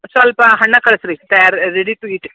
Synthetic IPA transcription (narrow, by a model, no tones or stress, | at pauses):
sɐlpaɦɐɳːakɐɭsɾit̪ajaɾːeɽiʈuiːʈ